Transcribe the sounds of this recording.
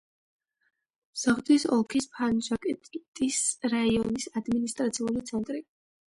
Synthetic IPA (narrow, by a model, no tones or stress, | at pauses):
msaχd̪isɔlˠkʰispʰanʒakʼɛt̪ʼt̪ʼisɾaiɔnisad̪minist̪ʼɾat̪sʰiulit̪sʰɛnt̪ʼɾi